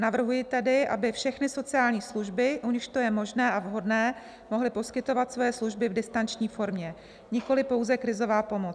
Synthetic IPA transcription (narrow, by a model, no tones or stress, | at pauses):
navr̩ɦujɪt̪ɛdɪʔa̰bɪfʃɛxnɪso̞t͡sɪjaːlɲiːsluʒbɪʔuɲɪʃt̪o̞jɛmo̞ʒnɛːʔavɦo̞dnɛː | mo̞ɦlɪpo̞skɪt̪o̞vat̪svo̞jɛsluʒbɪvdɪst̪ant͡ʃɲiːfo̞ɾmɲɛ | ɲɪko̞lɪpo̞wzɛkɾɪzo̞vaːpo̞mot͡s